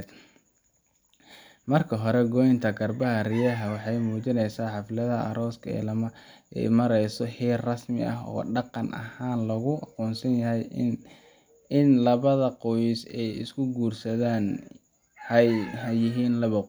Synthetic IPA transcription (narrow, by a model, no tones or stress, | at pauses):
d̪ | mɐrkʰɐɦɔɾɛɡɔːjɪnt̪ʰɐɡɐrbɐɦɐrɪjɐɦɐwɑħɑjmuːt͡ʃɪnɛjsaːħɑflɐðɐʔɐ̰ɾɔːskʰɐɛ̰lɐmɐɛ̰jmɐɾɛjsɔhiːrrɐsmɪ̰ɐ̰ɦɔ̰ːɖɑqɑnʔɐ̰haːnlɐɣʊɑqɔːnsɐnjɐɦɛj | ɪnlɐβɐðɐqɔjɪsɛjɪ̰skʰʊɡuːrsɐðaːn | hhɐjɪɦiːnlɐβɐ